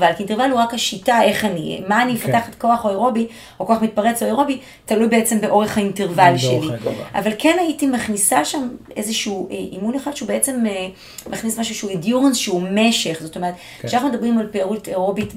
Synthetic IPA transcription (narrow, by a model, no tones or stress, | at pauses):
alkintevaluʁakhaʃitae̞χanimaːnimefataχetko̞aχoeʁo̞bi | oko̞aχmit̚paʁet͡soeʁo̞bi | talujbeet͡se̞mbeʔo̞ʁeχhainteʁvaliʃeliʔa̰valkʰenaitimaχnisaʃam | ezeʃuuʔeʔimuneχad̥ʃeubeet͡se̞me | mʔaχnismaʃuʃeuedjuʁensʃeume̞ʃe̞χzoto̞me̞ʁet̪ | ʃeanaχnumed̪ɐbʁimalpeaʁuteʁobit